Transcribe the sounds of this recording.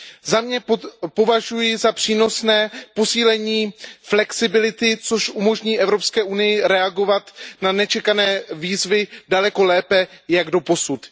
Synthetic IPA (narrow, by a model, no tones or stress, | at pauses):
zamɲɛpo̞vaʒujɪzapr̥iːno̞snɛːpo̞siːlɛɲiːflɛksɪbɪlɪt̪ɪt͡so̞ʃʔumo̞ʒɲiːʔɛvɾo̞pskɛːʔunɪjɪɾɛaɡo̞vat̪nanɛt͡ʃɛkanɛːviːzvɪdalɛko̞lɛːpɛjaɡdo̞po̞sut̪